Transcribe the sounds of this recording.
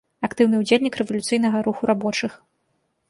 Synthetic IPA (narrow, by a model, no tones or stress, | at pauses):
akt̪ɨwnɨud͡zʲelʲnʲikrɛvɐlʲut̪sɨjnɐɣɐɾuxuɾʔabɔt͡ʂɨx